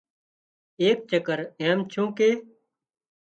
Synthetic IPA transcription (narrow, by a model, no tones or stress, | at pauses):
eːk̚t͡ʃəkəɾẽːmt͡ʃʰũːkeː